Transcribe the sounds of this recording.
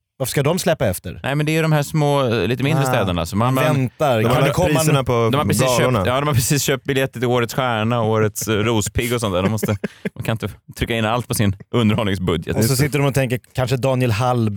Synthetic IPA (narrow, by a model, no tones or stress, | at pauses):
vaɾfə̥ʂkad̪ɔmslɛpːaɛft̪ə̰ɾnɛɪmɛnd̪ɛjʏd̪ɔmhæːʂmoːliːt̪əmɪnɾəst̪ɛːd̪əɳa̰sɔmanmvɛnt̪aɾad̪ɛkʰɔɾiːanapʰɔd̪ɔmhapɾɛsiːøːnjɑːd̪ɔmhaɾpʰɾɛsiːsɕøːp̚t̪̚bɪljɛt̪ːət̪ɪloːɾət̪sɧæːɳaɔoːɾət̪sɾuːspʰɪɡːɔsɔnæːɖ̪ɔmɔst̪t̪əmankʰanɪnt̪ət̪ʰɾʏkːaɪnːalt̪̚pʰɔsɪnʔɵnd̪əɾhɔlɪŋsbɵd̪jə̰t̪ɔsɔsɪt̪ːəɖɔmɔt̪ʰɛŋk̬əɾkʰanʂəd̪ɑːnɪɛlɦalb